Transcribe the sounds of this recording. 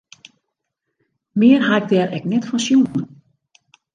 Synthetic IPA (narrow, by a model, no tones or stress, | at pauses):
mɪərɦaɛk̚dɛːɾɛknɛtfɔnsjunən